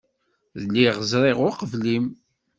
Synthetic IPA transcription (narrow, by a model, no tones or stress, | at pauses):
ðəlːiʁzɾˤeʁʊɾqəvlim